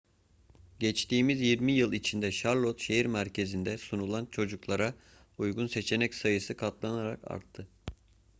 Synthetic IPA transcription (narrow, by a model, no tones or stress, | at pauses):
ɟɛt͡ʃt̪iːmizjiɾmijɯlˠit͡ʃʰind̪ɛʃaɾlˠot̪ʃe̞iɾmæɾcʰe̞zind̪ɛsunulˠant͡ʃʰo̞d͡ʒuklˠaɾa | ujɡunse̞t͡ʃʰe̞nɛcsajɯsɯkʰat̪lˠanaɾaka̰ɾt̪ʰːɯ